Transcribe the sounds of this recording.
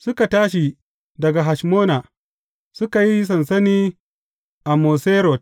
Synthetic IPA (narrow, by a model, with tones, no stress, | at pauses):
sʊ˦ka˨taː˦ʃi˨ | dɐ˨ɡa˨ɦa˨ʃmoː˦na˨ | sʊ˦ka˨ji˦s̬ɐ˨nsɐ˦niː˦ | ʔa˨moː˨seː˦ɾɔ˨t̚